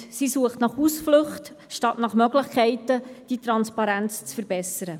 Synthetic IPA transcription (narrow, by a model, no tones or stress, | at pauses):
sisuəχtnɑχusflɵχt | ʃtɑtnɑχmœɡləχkʰɛɪtəd̥it̪ɾɑnspɑɾænt͡st͡sfəɾbɛsəɾə